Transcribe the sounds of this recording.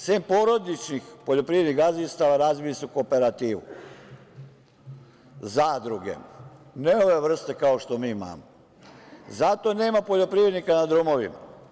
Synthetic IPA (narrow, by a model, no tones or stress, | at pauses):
seːmpoɾo̞d̪it͡ʃnixpoʎo̞pɾiʋed̪nixɡazist̪aʋaɾaːzʋilisukope̞ɾat̪iːʋṵ | zaːd̪ɾuɡe̞̰neoʋe̞ʋr̩st̪e̞kaoʃt̪o̞miːma̰ːmo | zat̪o̞ne̞ːmapoʎo̞pɾiʋɾe̞d̪nikanad̪ɾumo̞ʋḭma̰